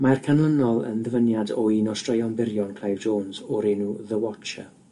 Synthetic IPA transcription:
markʰanlˠənɔlˠə̰nðəvənjadɔinɔstrəjɔnbɪɾjɔnkʰl̥ajvd͡ʒoːnzɔɾɛːnuðəwɔt͡ʃə̰

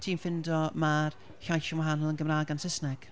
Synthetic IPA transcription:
tʰiːnfɪndɔmar | çajʃɔnwaɦanlˠənɡəmraːɡansɪsnɛɡ̥

